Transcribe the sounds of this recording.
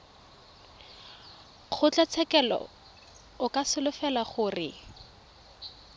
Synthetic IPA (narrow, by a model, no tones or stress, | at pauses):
χʰʊt͡ɬat͡sʰɛkɛlɔ̰ | ʊkasɪlʊfɛlaχʊrɪ